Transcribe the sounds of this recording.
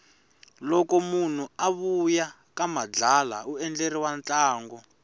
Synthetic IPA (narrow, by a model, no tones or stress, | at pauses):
lɔkɔmun̤uaβuja | kamad͡ɮala̰uɛnd͡ɮeɾiwant͡ɬʼaːŋɡɔ